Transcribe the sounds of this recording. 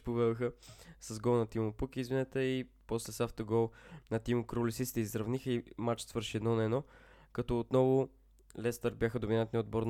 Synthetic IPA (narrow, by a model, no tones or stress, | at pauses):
povɛd̪ʊxəsɐzɡɔlˠnɐt̪imʊpukiːzvinɛt̪ɛipɔslɛsaft̪əɡɔlˠnɐt̪imʊkɾolʲisit̪st̪ɛizɾɐvnixəimat͡ʃsvəɾʃiɛd̪nɔnɛːnɔ | kɐt̪ɔːt̪nɔvʊ | lɛst̪əɾbʲjaxəd̪ʊminat̪nʲiod̪bɔɾn